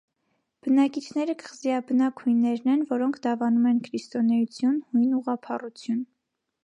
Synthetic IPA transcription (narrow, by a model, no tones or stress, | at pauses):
b̥ənɑkit͡ʃʰnɛɾəkə̥ʁziɑbənɑkhujnːɛɾnɛnvɔɾɔŋkʰd̪ɑvɑnumɛnkʰɾist̪ɔnɛjut͡sʰjunhujnuʁɑpʰɑrut͡sʰjun